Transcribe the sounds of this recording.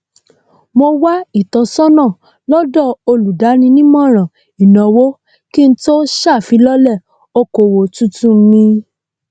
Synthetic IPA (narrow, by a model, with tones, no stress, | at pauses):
mo˧wa˦i˦˨tɔ˨˧sɔ˦nã˦˨ | lɔ˦dɔ˦˨o˧lu˨da˨˦nĩ˧nĩ˦mɔ̃˦˨ɾ̃ɔ̃˨ | i˨nɔ̃˨wo˦ | ki˦n̩˦to˦ʃa˦˨fi˨˦lɔ˦lɛ˦˨ | o˧ko˨wo˨tũ˦tũ˦˨˦nĩ˧